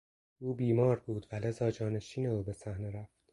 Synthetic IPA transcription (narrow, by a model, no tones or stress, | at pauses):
ʔuːbiːmɒːɾbuːd̪væle̞zɒːd͡ʒɒːne̞ʃiːneuːbe̞sæhneɾæft̪